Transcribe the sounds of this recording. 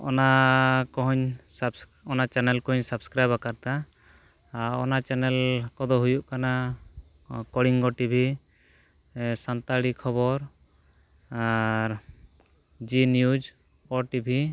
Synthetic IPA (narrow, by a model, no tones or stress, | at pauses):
ɔ̰nakɔɦɔɲsbs | ɔnat͡ʃɛnɛlkɔɔɲsabskɾajbakaɾt̪a | ɔnat͡ʃɛnɛlkɔd̪ɔɦujuʔkana | kɔɽiŋɡɔʈibʱi | sant̪aɽikʰɔbɔɾ | aɾ | d͡ʒinjud͡ʒ | ɔʈibʱi